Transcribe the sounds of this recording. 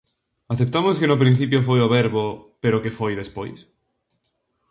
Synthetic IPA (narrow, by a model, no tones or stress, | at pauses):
aθep̚t̪amoskenʊpɾin̟θipjofojoβɛɾβopeɾokefojðespo̰js